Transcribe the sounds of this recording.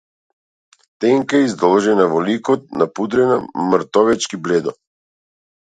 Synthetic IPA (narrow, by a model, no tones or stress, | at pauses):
t̪ɛŋkaizd̪ɔlˠʒɛnavɔlikɔt̪̚napud̪ɾɛnamɾt̪ɔvɛt͡ʃkiblɛd̪ɔ